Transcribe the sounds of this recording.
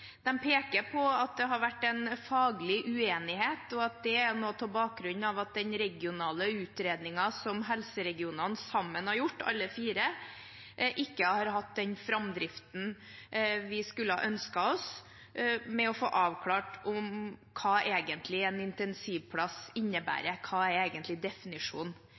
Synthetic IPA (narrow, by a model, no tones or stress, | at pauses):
d̪̥ɛmpʰeːkəɾpʰɔɑt̪̚d̪ɛɦɑɾʋæʈːɛɪnfɑːɡlɪʔʉeːnɪheːt̪ɔɑt̪̚d̪ɛænoːt̪ʰɪlbɑːk̚ɡɾʉnːɑʋɑt̪̚d̪ɛnɾɛɡɪʊnɑːləʉːt̪ɾeːd̪nɪŋɑsɔmɦɛlsəɾɛɡɪuːnɑnsɑmːənhɑɾjʊʈːɑ̰lːəfiːɾə | ʔɪkːəhɑɾɦɑt̪̚d̪ɛnfɾɑmd̪ɾɪft̪n̩ | ʋɪskʉlːəhɑ̰ʔœnskɑɔs | mɛɔfo̰ːʔɑːʋkʰlɑːʈʊmkʰɑːʔeːɡənt̪ʰlɪɛnɪnt̪ɛnsiːʋpʰlɑsɪnːəbæ̰ːɾəkʰɑːæɾeːɡənt̪lɪd̪ɛfɪnɪʂuːn